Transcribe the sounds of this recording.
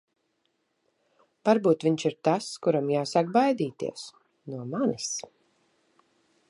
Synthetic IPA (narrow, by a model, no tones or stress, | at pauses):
vaɾbuːt̪vʲiɲt͡ʃiɾt̪askuɾamjaːsak̚bajd̪iːt̪ḭɛs | nuɔmanis